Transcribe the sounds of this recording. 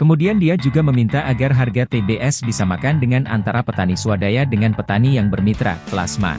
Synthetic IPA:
kəmudiandiad͡ʒuɡaməmint̪aʔaɡarɦarɡat̪ebeʔɛsdisamakandəŋana̰nt̪aɾapət̪anisuadajadəŋanpət̪anijaŋbərmit̪ɾa̰pla̰sma̰

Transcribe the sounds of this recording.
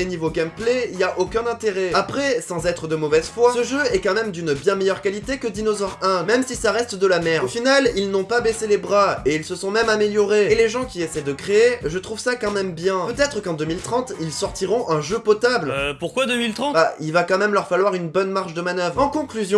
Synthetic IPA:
enivoɡʲampleiljaʔokʲɛ̃nɛ̃t̪eʁɛapχɛsɑ̃zɛt̪χəd̪əmɔvɛzfwasəʒøɛkɑ̃mɛmd̪ynbjɛ̃mejœʁkalit̪ekəd̪inozɔʁɛ̃mɛmsisaʁɛst̪d̪əlamɛʁofinalilnɔ̃pabeselebʁaeilsəsɔ̃mɛmameljɔʁeeleʒɑ̃kʲiesɛd̪əkχeeʒət̪χuvsakɑ̃mɛmbjɛ̃pøt̪ɛt̪χəkɑ̃d̪əmilt̪χɑ̃t̪ilsɔʁt̪iʁɔ̃ʔɛ̃ʒøpɔt̪ablpuʁkwad̪əmilt̪χɑ̃t̪ailvakɑ̃mɛmlœʁfalwaʁynbɔnmaʁʃd̪əmanœvʁɑ̃kɔ̃klyzjɔ̃

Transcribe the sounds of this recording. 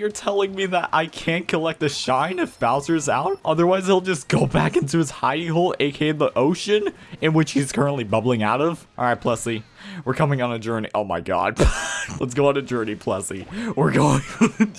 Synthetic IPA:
jə˞tʰɛlˠɪ̃ŋmiðəɾʔa̰ɪkʰæ̃nkʰəlɛk̚t̪ɨʃãɪ̃nʌv̥b̥aʊzə˞za̰ʊt̚ʔʌðə˞waɪzilˠd͡ʒʌsɡ̥oʊbækɪ̃ntʉɨz̥haɪiɦoʊlˠeɪkʰeɪðiʔoʊʃɨ̃nɨ̃nwɨt͡ʃhiz̥kʰɜ˞ə̃nʔlibʌbl̩ˠɪ̃ŋaʊɾʌv̥ʔɹaɪt̚pʰl̥ɛsiwəɹkʰʌmɪ̃ŋə̃nɨd͡ʒɜ˞nḭʔoʊma̰ɪɡɑ̰d̥̚blə̰tsɡ̥oʊə̃nɨd͡ʒɜ˞nipʰl̥ɛ̰sḭwɪɹɡoʊɪ̃ŋ

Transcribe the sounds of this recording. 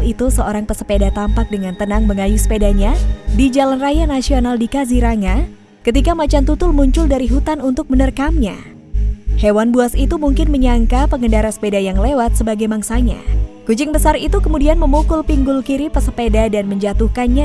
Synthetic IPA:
lit̪usəoɾaŋpəsəpedat̪ampak̚dəŋant̪ənaŋməŋajusə̥pedaɲadid͡ʒalanrajanasionaldikaziɾaŋa | kət̪ikamat͡ʃant̪ut̪ʊlmuɲt͡ʃʊldaɾiɦut̪anunt̪ʊk̚mənərkamɲa | hewanbuasit̪umuŋkɪnməɲaŋkapəŋəndaɾasə̥pedajaŋlewat̪̚səbaɡajmaŋsaɲa̰kud͡ʒɪŋbəsaɾit̪ukəmudianməmukʊlpiŋɡʊlkiɾipəsəpedadanməɲd͡ʒat̪uhkanɲa

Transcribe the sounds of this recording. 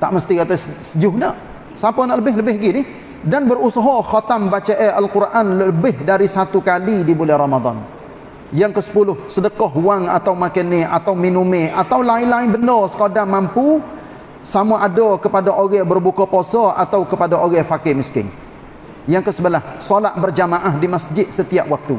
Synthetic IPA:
t̪aʔməst̪ikat̪assəd͡ʒʊhnaʔ | sapanaʔləbɪɦləbɪɦɡinɪh | danbərusəɦɔxɔt̪ambat͡ʃaʔaʔalkurʔanəbɪhdaɾisat̪ukalidibulɛhramad̪ˤɑ̰n | jaŋkəsə̥pulʊhsədəkɔɦuwaŋa̰t̪awmakənɪʔat̪awminumeʔat̪awlaɪlaɪnbəndɔsə̥kadaŋmampu | samuʔadɔkəpadaʔoɣɛbərbukɔposɔʔat̪awkəpadaʔoɣɛfakɪmiskɪ̰ŋ | jaŋkəsəbəlahsɔlaʔ̪̚bərd͡ʒamaʔahdimasd͡ʒɪt̪̚sət̪iaʔwak̚t̪u

